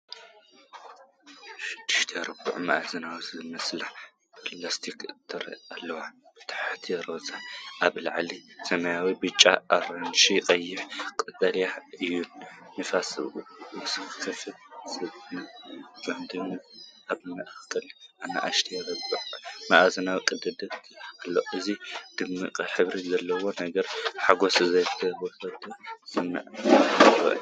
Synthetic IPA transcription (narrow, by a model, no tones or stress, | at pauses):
ʃɪ̥d̪̥ːɨʃt̪ʰɐjɐɾɐbɨ̰ʕmɐʔzɐnawizɨmɐslaħ | plast̪ʰikt̪ʰɨɾɐ̰alːɐwa | t̪ʰḁħt̪ʰjɐɾozaʔaβlɐʕlisɐmɐjawibɨt͡ʃʼːaʔaɾɐnʃiqʼɐjːɪħkʼɨd̪ʼɐljaɨjːunːɨfasɨβʔuɨsɨɨkʰɐfɨt̪sɨβnɨbɐmd̪ɨmːɨkʼʔaβɨmɐʔxkʰːɐlʔana̰ʔaʃt̪ʰijɐɾɐbɨʕmaʔazɐnawikʼɨd̪ɨd̪ɐt̪alːoʔɨzid̪̥ɨmːɨkʼħɨβɾizɐlːɐwo̞nɐɡɐɾħaɡo̞sɨzɐjt̪ʰɐβɐkɐt̪ʼʰːosɨma̰ʔ | ɐ̰